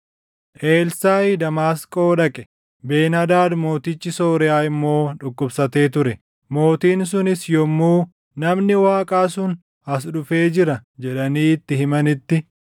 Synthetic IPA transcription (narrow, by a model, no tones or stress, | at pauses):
ʔeːlsaːjd̪ɐmaːskʼo̞ːᶑɐkʼɛ | be̞ːnɐd̪aːd̪mo̞ːt̪ɪt͡ʃːɪso̞ːɾɛjaːɪmːo̞ːᶑʊkʼːʊbsɐt̪e̞ːt̪ʊɾɛ | mo̞ːt̪iːns̬ʊnɪsjɔmːuː | nɐmnɪwaːkʼaːsʊn | hɐs̬ᶑʊfe̞ːd͡ʒɪɾɐd͡ʒɛᶑɐniːt̪ːɪhɪmɐnɪt̪ːɪ